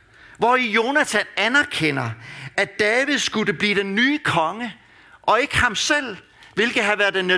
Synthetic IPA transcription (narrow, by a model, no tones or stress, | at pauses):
ʋɒijo̝næt͡sʰænænæɐkʰen̰ɐæd̥ɛːʋiðˠsɡ̥udeb̥liːd̥enːyːkʰɒ̽ŋə | ʔɒ̽e̝ɡ̥əhɑ̈msel̰ | ʋe̝lɡ̥ð̩ˠɦæʋæɐ̥enːe